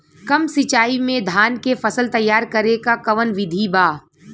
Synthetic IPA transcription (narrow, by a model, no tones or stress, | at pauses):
kɐmsɪt͡ʃaːimẽd̪ʱaːnkefɐsəlt̪ɐjːaːɾkɐɾekakɐʋənʋɪd̪ʱibaː